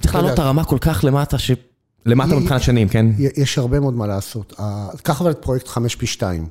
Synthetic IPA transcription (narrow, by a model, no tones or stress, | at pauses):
t̪t͡si̥χlaːlotaʁamako̞lkaχlemat̪aʃe | lemat̪amipχinat̪ʃanimkenjɛjɛʃhaʁbemeod̪malaːso̞t̪ʰakaχavalet̪pʁojek̚t̪χameʃpiʃtaim